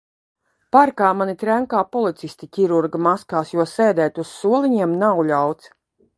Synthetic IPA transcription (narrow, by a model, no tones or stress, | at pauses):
paɾkaːmanit̪ɾæŋkaːpɔlˠit̪sist̪ʲicʲiɾuɾɡamaskaːsjuɔsɛjd̪ɛːt̪ʲusːuɔlˠiɲiɛmnawlʲawt̪s